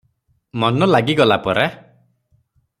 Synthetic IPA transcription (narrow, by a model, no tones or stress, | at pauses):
mɔnɔlaɡiɡɔlapɔɾa